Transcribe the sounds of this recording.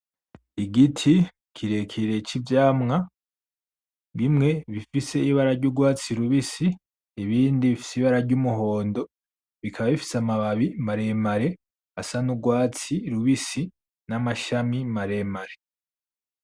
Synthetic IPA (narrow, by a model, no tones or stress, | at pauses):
iɡitʰi | kʰiɾe̞kʰiɾe̞t͡ʃivjaːmŋa | βimŋe̞βifise̞iβaɾaɾɟuɡwaːt͡siɾuβisiː | βiːndiβifi̥siβaɾaɾɟumuɦo̞ːndo̞ | βikʰaβaβifi̥samaβaβimaɾe̞maɾe̞ | asanuɡwaːt͡siɾuβisi | namaʃamimaɾe̞maɾe̞